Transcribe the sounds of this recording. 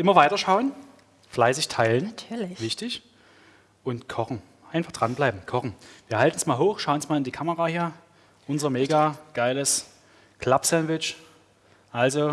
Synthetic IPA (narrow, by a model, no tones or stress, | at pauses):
ʔɪmɐvaɪtɐʃaʊən | flaɪs̬ɪçtʰaɪləntʰːvɪçtɪç | ʔʊntkʰɔχn̩ | ʔaɪnfaχd̥ʁanblaɪbm̩kʰɔχn̩viːɐhaltn̩smaːlɦoːxʃaʊnsmaːlɪndiːkʰaməʁaːhiːɐ | ʔʊnzɐmeːɡaɡ̥aɪləs | kʰl̥apsɛntvɪt͡ʃ | ʔalzo